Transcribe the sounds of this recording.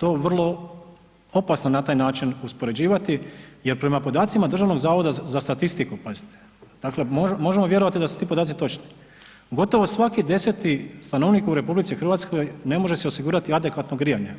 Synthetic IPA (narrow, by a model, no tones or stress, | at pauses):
t̪o̞ːʋr̩lˠo̞ | opasnonat̪aːjnaːt͡ʃinuspo̞ɾe̞d͡ʑiːʋat̪ije̞ɾpɾe̞mapo̞d̪aːt̪simad̪r̩ʒaʋno̞ɡzaːʋod̪azast̪at̪ist̪ikupazi̥t̪e̥ | d̪̥akle̞momo̞ʒe̞moʋje̞ɾo̞ʋat̪id̪asu̥t̪iːpod̪aːt̪sit̪o̞t͡ʃni̥ | ɡo̞t̪o̞ʋosʋakid̪e̞se̞t̪ist̪ano̞ʋnikuɾe̞publit̪sixr̩ʋat̪sko̞jne̞mo̞ʒeseo̞siɡuːɾat̪iad̪e̞kʋat̪noɡɾijaɲe̞